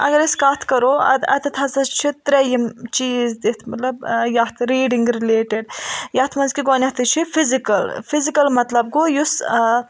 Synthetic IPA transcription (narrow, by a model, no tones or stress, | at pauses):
ɐ̰ɡɐɾiskaːt̪ʰkɐɾoːɐ̰d̪ɐ̰t̪ʰɐt̪ʰɐzɐt͡ʃʰit̪ɾɐjɐmt͡ʃiːzd̪it̪ʰmɐt̪lɐbjɐt̪ʰɾiːɖiŋɡɾileːʈeɖjɐt̪ʰmɐnzkiɡoːnʲɐt̪ʰɐt͡ʃʰifʰizikɐlfʰizikɐlmɐt̪lɐb̚ɡojus